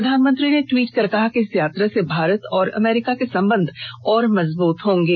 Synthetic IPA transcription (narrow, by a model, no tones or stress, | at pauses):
d̪ʱaːnmə̃nt̪ɾineʈwiːʈkɐɾkɐɦakeɪsjaːt̪ɾəsebʱaːɾət̪ɔːɾɐ̰mɛːɾɪkakesɐ̃mbə̃nd̪ʱɔːɾmɐzbuːt̪ɦõːŋɡeː